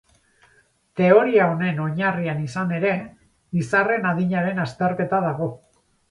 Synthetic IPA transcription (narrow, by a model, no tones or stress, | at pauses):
t̪e̞o̞ɾiao̞ne̞no̞ɲarianisane̞ɾe̞ | isare̞naðiɲaɾe̞nast̪e̞ɾke̞t̪að̞aɣo̞